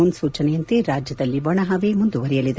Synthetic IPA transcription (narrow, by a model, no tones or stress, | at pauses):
unsuːt͡ʃɐnejɐnt̪eɾaːd͡ʒjɐd̪ɐlːiʋɐɳɐɦaʋeːmund̪uʋɐɾɛjɐlid̪e